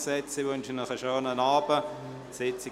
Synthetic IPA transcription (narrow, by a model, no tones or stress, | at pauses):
sɛt͡siʋʏnʃənəχəʃøːnənaːbə | sɪt͡si